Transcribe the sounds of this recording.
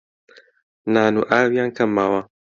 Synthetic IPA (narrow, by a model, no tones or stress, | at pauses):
naːnuʔaːwijaŋkʰɐmːawa